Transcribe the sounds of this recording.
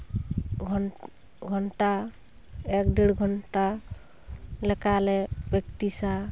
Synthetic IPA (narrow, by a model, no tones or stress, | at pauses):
ɡʱ | ɡʱɔɳʈa | ek̚ɖeɽɡʱɔɳʈa | lekalebekʈisa